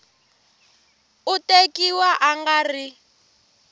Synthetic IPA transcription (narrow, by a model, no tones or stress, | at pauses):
utekiwaʔaŋɡari